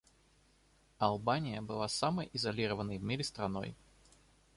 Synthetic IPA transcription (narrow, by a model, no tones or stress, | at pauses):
ɐlˠbanʲɪjəbɨlˠasaməjʔɪzɐlʲiɾəvənːəjvmʲiɾʲɪst̪ɾɐno̞̰j